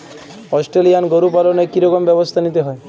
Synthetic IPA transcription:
ɔsʈɾelijanɡoɾupalɔnekiɾɔkɔmbjɛbɔst̪ʰanit̪eɦɔe

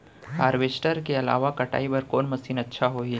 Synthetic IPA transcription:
haːɾʋeːsʈəɾkeɐla̰ːʋakɐʈa̰ːibɐɾkoːnmɐsiːnɐtːʃʰaɦoːiː

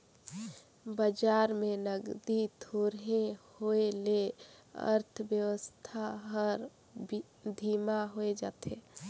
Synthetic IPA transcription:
bəd͡ʒaːɾmenəɡd̪it̪ʰoɾɦehoeleə̰ɾt̪ʰʋjəwəst̪ʰaɦəɾ | d̪ʱiːmaɦoed͡ʒa̰ːt̪e

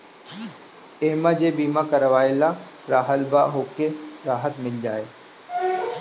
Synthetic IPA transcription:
eːmad͡ʒebiːmakəɾəʋaːɪla | ɾaːɦəlbaɦoːkeɾaːɦət̪mɪld͡ʒaːeː

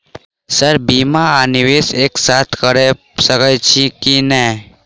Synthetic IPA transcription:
səɾbimaːniweseksat̪ʰkəɾe | səkət͡ʃʰikinɛ

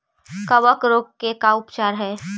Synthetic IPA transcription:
kəʋəkɾoːkkekaʊpt͡ʃaːɾɦɛː

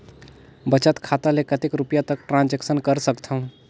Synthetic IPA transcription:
bət͡ʃət̪kʰat̪alekət̪ekɾupijat̪ək̚ʈɾãnd͡ʒeksənkəɾsəkt̪ʰəɦũ

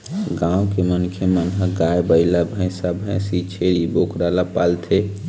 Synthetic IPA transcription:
ɡãːw̃kemənkʰemənɦəɡajbəɪlabʱə̃ɪ̃sabʱə̃sit͡ʃʰeɾibokɾalapaːlt̪ʰe

